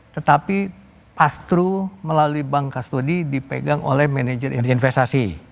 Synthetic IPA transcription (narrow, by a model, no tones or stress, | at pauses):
t̪ət̪api | past̪ɾuməlaluibaŋkast̪odidipḛɡaŋo̰lɛhmɛned͡ʒərʔirinfɛst̪asi